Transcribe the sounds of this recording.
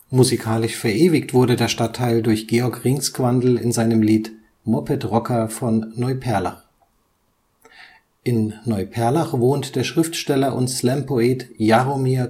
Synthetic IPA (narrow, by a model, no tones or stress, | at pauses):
muzikʰaːlɪʃfɛɐʔeːvɪktv̥ʊɐɾədeːɐʃtatʰːaɪldʊɐçɡ̥eɔɐkʁɪŋskv̥andl̩ɪ̰nzaɪnəmliːt | mɔpʰɛtʁɔkʰɐfɔnːɔʏpʰɛɐla̰χ | ʔʔɪnːɔʏpʰɛɐlaχvoːntd̥eːɐʃʁ̥ɪftʃtɛlɐʔʊ̰ntslɛmpʰoɛːtjaʁomiːɐ